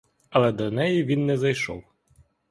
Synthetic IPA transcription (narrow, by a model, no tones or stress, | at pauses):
ɐlˠɛd̪ɐnɛjivʲinːɛzɐjʃɔ̰w